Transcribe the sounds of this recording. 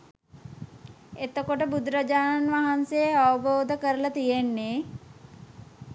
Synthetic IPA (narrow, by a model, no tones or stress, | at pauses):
et̪əkoʈəbud̪ɾəd͡ʒaːnanʋaɦansejəaʋəboːd̪əkəɾələt̪ijenːeː